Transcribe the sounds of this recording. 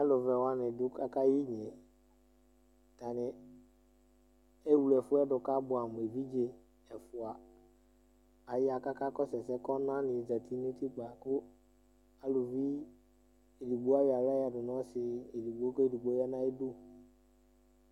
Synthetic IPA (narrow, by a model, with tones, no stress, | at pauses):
a˦lʊ˨vɛ˨wa˨˦nɪ˨dʊ˦ka˦ka˦ji˦ɲ˨e˨ | ta˨nɪ˨ | ɛ˦wu˨lɛ˨fʊ˦ɛ˦dʊ˨ka˦bʊ˨a˨m˨e˨vi˦d͡ʒe˨ | ɛ˨fʊ˨a˨ | a˨ja˨ka˦ka˦kɔ˦sɛ˨sɛ˦kɔ˦nã˦nɪ˨za˨tʰi˦ni˦ti˦k͡pa˨kʊ˦ | a˦lʊ˨vi˦ | e˨li˨ɡ͡bo˦a˦ja˨la˦ja˨dʊ˨nɔ̃˦sɪ˨e˨di˨ɡ͡bo˦kɔ˦i˨di˨ɡ͡bo˨˦ɛ˦nã˦i˦dʊ˦